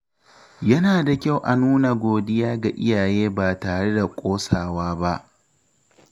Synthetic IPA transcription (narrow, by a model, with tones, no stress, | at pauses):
jɐ˦naː˨da˨kʲa˦˨wʔa˨nuː˦na˨ɡʷoː˨dɪ˦jaː˦ɡa˨ʔɪ˦jaː˨jeː˦baː˨taː˨ɽe˦da˨kʷʼoː˦saː˨waː˦ba˦ʔ